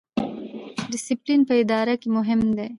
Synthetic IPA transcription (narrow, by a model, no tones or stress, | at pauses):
ɖɪsɪplinpəɪd̪ɑːɾakemʊɦɪmd̪e